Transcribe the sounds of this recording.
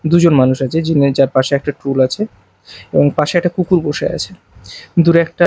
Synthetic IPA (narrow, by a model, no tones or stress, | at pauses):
d̪ud͡ʑonmanuʃat͡ɕʰed͡ʑind͡ʑaɾpaʃeɛk̚ʈaʈɾulat͡ɕʰe | eboŋpaʃeɛk̚ʈakukuɾboʃḛa̰t͡ɕʰe | d̪uɾɛk̚ʈa